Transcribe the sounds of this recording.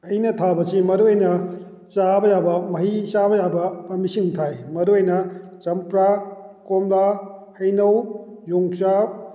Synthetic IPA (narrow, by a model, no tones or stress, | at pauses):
ɐjnɐtʰabɐsimɐɾuɐjnɐ | t͡ʃabɐjabɐmɐɦisabɐjabɐpɐmisiŋtʰajmɐɾuɐjnɐt͡ʃɐmpɾakomlahɐjnɐwjuŋt͡ʃa